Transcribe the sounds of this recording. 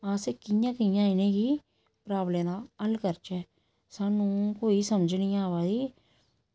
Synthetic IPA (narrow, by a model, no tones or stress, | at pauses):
ãːsekɪjãːkɪjãːɪnẽːɡi | pɾaːblẽːd̪aəlkəɾt͡ʃɛː | sanũkoːisəmd͡ʒnijãːʋaːdiː